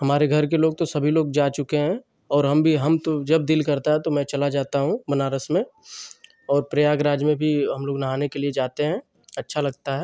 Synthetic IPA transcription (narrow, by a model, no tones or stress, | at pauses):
ɦɐmaːɾeɡʱɐɾk̬eloːɡ̚t̪osɐbʱiloːɡd͡ʒaːt͡ʃʊkeɦɛ̃ | ɔːɾɦɐmbʱiɦɐmt̪od͡ʒɐb̚d̪ɪlkɐɾt̪aɦɛt̪omɛ̃t͡ʃɐlad͡ʒaːt̪aɦũbɐnaːɾəsmẽ | ɔːɾpɾɐjaːɡɾaːd͡ʒmẽbʱiɦɐmloːɡnɐɦaːnekelied͡ʒaːt̪eɦɛ̃ | ɐtːʃʰalɐɡt̪aɦɛː